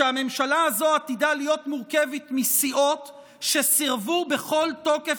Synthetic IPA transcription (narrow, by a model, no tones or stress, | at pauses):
eame̞mʃalaazo̞at̪idalijo̞t̪muʁke̞vɛtmisiʔo̞t̪ | ʃesiʁvube̞χo̞lto̞ke